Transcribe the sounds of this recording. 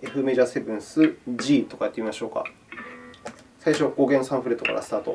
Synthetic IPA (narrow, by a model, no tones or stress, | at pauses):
e̞ɸɯ̟me̞ʑaːse̞bɯ̟̃ɰ̃sɨd͡ʑiːt̪o̞kajat̪ːeimimaɕo̞ːka̰ | saiɕo̞ɡoːɡẽ̞nosãɰ̃ɸɯɾe̞t̪ːoka̰ɾa̰sɨ̥t̪aːt̪o̞̰